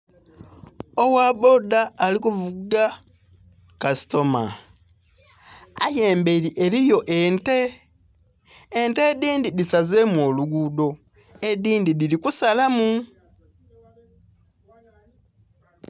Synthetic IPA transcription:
owaːβo̞daːlikuvuɡa | kasi̥to̞ma̰ | ajeːmbeliʔe̞lijo̞ʔente̞ | nte̞ːdiːndidisaze̞mwo̞ːluɡuːdo̞ | ediːndidilikusalamu

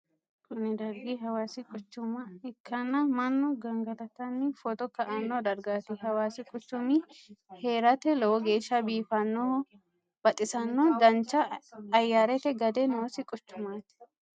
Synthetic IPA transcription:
kʰʊnɪd̪ɐɾɡɪɦɐwaːsɪkʼʊt͡ʃːʊmɐɪkʰːɐnːɐmɐnːʊɡɐŋɡɐd̪ɐt̪ːɐnːɪfɔt̪ɔkːɐʔanːod̪ɐɾɡaːt̪ɪhɐwaːsɪkʼʊt͡ʃːʊmɪheːɾɐt̪ɛlɔwɔɡe̞ːʃːɐbiːfɐnːoː | b̥ɐt̪ʼɪsɐnːod̪ɐnt͡ʃːɐːjːaːɾɛt̪ɛɡɐd̪ɛnoːsɪkʼʊt͡ʃːʊmaːt̪ɪ̥

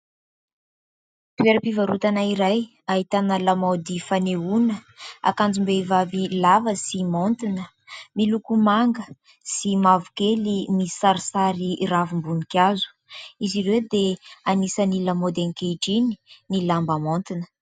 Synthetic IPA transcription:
pieɾəpivaɾut̪anaiɾaj | aɦit̪anəlamawd̪ifaneunəa̰kand͡zumbeivavilavəsimont̪inə | milukumaŋɡə | simavukelimisaɾisaɾiravumbunikʲazu̥ | iziɾewd̪eanisənilamod̪eŋkeɖ͡ʐini̥nilambamont̪inə̥

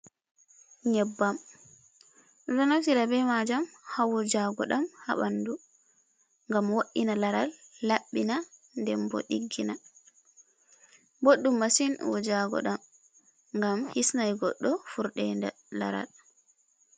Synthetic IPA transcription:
ɲɛbːam | lanatiɾabɛmad͡ʒamhawɔd͡ʒaɡɔ̰ɗamha̰ɓandu | ŋɡamwoɗːinalaɾalːaɓːina | ndɛmbɔ̰ɗiɡːina | boɗːumːasinwɔd͡ʒaɡɔ̰ɗam | ŋɡamhisnajɡɔ̰ɗːɔfuɾɗɛnda̰ | la̰ɾa̰l

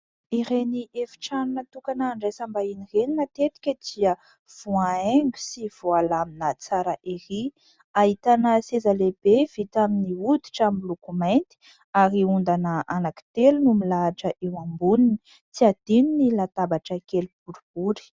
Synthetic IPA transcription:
iɾeniʔefi̥ʈ͡ʂannət̪ukanaːɳɖ͡ʐesambainireninət̪et̪i̥kʲəd̪iə | v̥uaeŋɡu̥siv̥oalaminət͡saɾəʔeri | aɦit̪anəsezaleb̥ev̥it̪aminiud̪iʈ͡ʂamilukumajnt̪i̥ | aɾiund̪anəʔanaki̥t̪elunumilaʈ͡ʂəʔewambunini | t͡siad̪̥ininilat̪abaʈ͡ʂəkelub̥uɾub̥uɾi̥

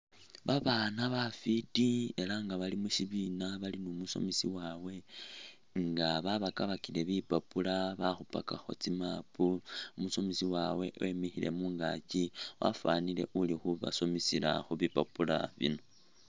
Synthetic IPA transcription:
βaβanaβafitie̞laŋɡaβalimuʃiβinaβalinumuso̞̰misiwawe̞ | ŋɡaβaβakaβakile̞βipapulaβaxupakaxo̞̰t͡simapuumuso̞misiwawe̞ʔemixile̞̰muːŋɡa̰ciwa̰fanile̞̰ʔulixuβa̰so̞misila̰xuβipapula̰βḭno

